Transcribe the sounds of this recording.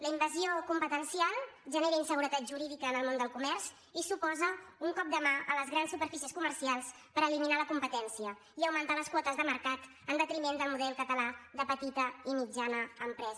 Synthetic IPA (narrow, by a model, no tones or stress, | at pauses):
ləimbəziokumpət̪ənsialˠʒəneɾəinsəɣ̞uɾət̪at̪ʒuɾiðikəːnəlˠmond̪əlˠkumɛrz | isupɔzəuŋkɔp̚d̪əmaʔələzɣɾansupəɾfisiəskumərsialˠs | pəɾəliminaləkumpət̪ɛnsiə | iəwmənt̪aləskwɔt̪əzðəməɾkat̪ | ənd̪ət̪ɾimend̪əlˠmuðɛlˠkət̪əlaðəpət̪it̪əimid͡ʒanəːmpɾɛz